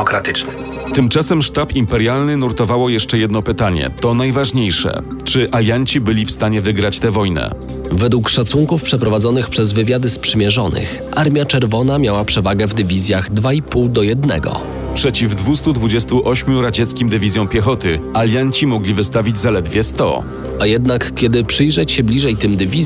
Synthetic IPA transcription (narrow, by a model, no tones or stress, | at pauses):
ɔkɾat̪ɘt͡ʂnɘ | t̪ɘmt͡ʂasɛmʂt̪apimpɛɾjalnɘnuɾt̪ɔvawɔjɛʂt͡ʂɛjɛd̪nɔpɘt̪aɲɛ̰t̪ɔnajvaʐɲejʂɛ̰ | t͡ʂɘʔalʲjaɲt͡ɕibɘlʲifst̪aɲɛvɘɡɾat͡ɕt̪ɛvɔjnɛ̰ | vɛd̪wukʂat̪suŋkufpʂɛpɾɔvad̪zɔnɘxpʂɛzvɘvʲjad̪ɘspʂɘmʲjɛʐɔnʔɘ̰x | ʔaɾmʲjat͡ʂɛɾvɔnamʲjawapʂɛvaɡɛvd̪ɘvʲizʲjaɣd̪vaipuwd̪ɔjɛd̪nɛ̰ɡɔ̰ | pʂɛt͡ɕivd̪vust̪ud̪vud͡ʑɛst̪uʔɔɕmʲjuɾat͡ɕɛt̪skʲimd̪ɘvʲizʲjɔ̃w̃pʲjɛxɔt̪ɘalʲjaɲt͡ɕimɔɡlʲivɘst̪avʲid͡ʑzalɛd̪vʲjɛst̪ɔ̰ | ajɛd̪nakkʲːjɛd̪ɘpʂɘjʐɛt͡ɕɕɛblʲiʐɛjt̪ɘmd̪ɘvʲi